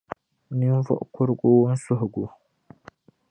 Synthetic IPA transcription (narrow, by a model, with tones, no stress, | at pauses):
ni˦n˦vɔ̰˦ʔkʊ˦ɾɡu˦wn̩˦sʊ˦ɦɡu˨